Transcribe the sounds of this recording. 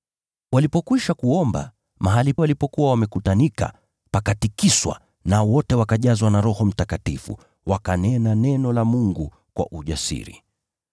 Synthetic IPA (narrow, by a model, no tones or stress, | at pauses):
walipɔkwiʃakuɔmba̰ | maɦaliwalipɔkuwawamɛkutanika̰ | pakatikiswa̰ | naɔwɔtɛwakaʄazwanaɾɔhɔm̩takatḭfṵ | wakanɛnanɛnɔlamuŋɡu | kwa̰ʔuʄasḭɾḭ